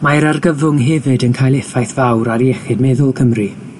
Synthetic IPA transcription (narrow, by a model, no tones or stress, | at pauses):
majɾarɡəvʊŋɦɛvɨdənkʰajlˠɛfajθvawɾaɾiɛχɪd̚mɛðʊlˠkʰəmri